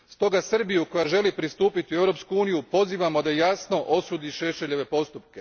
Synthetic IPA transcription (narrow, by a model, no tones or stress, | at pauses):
st̪o̞ɡasɨr̩bijuko̞jaʒe̞lipɾist̪uːpit̪iue̞ʋɾo̞pskuuːnijupo̞ziːʋamo̞d̪ajasno̞ʔosuːd̪iʃe̞ʃe̞ʎe̞ʋe̞po̞st̪upke̞